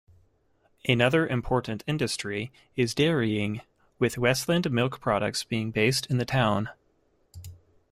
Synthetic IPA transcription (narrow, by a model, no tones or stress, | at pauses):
ʔɨnʌðə˞ʔɨ̃mpʰɔɹʔn̩tʰɪ̃ndɨstɹ̥i | ɪzdɛɹiɪ̃ŋ | wɪðwɛstˡlɨ̃ndmɪlˠkpʰɹ̥ɑɾɨ̰k̚tsb̥iɪ̃ŋbeɪstʰɨ̃nðɨtʰãʊ̃n